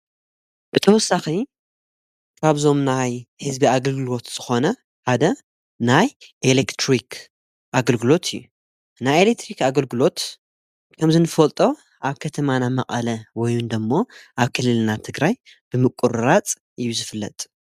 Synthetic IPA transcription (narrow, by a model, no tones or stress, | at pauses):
b̥ɨt̪ʰɐwɔsːaxi | kʰaβzo̞mnajhɨzbiaɡɐlɡɨlo̞t̪z̥ɨxo̞nɐ | ħad̪ɐ | najʔelekt̪ʰɾikʰ | ʔaɡɐlɡɨlo̞t̪ʰɨjːu | najelek̚t̪ʰɾikaɡɐlɡɨlo̞t̪ | kʰɐmzɨnɨfɐlt̪ʼo̞ | ʔaβkʰɐt̪ʰɐmanamɐkʼɐlɐwɔjund̪ɐmːo̞ʔaβkʰɨlːɨlnat̪ʰɨɡɾaj | b̥ɨmɨkʼːuɾɾat͡sʼ | ʔɨjːuzɨfɨlːɐ̰t̪ʼ